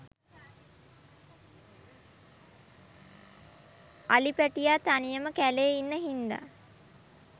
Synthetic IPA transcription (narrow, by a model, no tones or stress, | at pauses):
alipæʈijat̪anijəməkæleːinːəɦind̪a̰